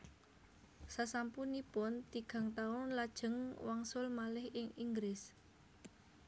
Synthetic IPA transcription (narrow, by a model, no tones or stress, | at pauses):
sasampunipʊnt̪iɡ̥a̤ŋt̪aʊnlad̥ʒ̥ə̤ŋwaŋsʊlmalɪhɪŋiŋɡɾɪs